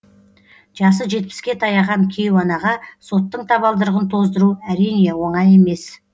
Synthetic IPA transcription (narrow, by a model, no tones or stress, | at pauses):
ʒ̥ɑsəʒe̞t̪̚pɪ̥skʲe̞t̪ʰɑjɑʁɑnkʲʰe̞jwɑnɑʁɑso̞t̪ːəɴt̪ʰɑβɑlˠd̪əɾʁənt̪ʰo̞zd̪əɾuæɾijne̞wo̞ɴɑje̞me̞s